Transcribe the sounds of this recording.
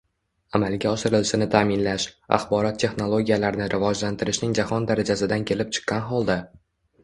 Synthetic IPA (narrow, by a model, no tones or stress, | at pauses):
amalˠɡʲaɒʃɪɾɪlɪʃɪnɪt̪ʰaːmɪnlaʃa̰χbɒɾɒt̪ʰːe̞χno̞lˠoɡʲijalaɾɪnɪɾʔɪvɒd͡ʒlant̪ʰɪɾɪʃnɪŋd͡ʒahɒnd̪aɾad͡ʒasɪd̪ankʲʰe̞lɪp̚t͡ʃʰɨ̥qʰːɑnɦɒlˠd̪a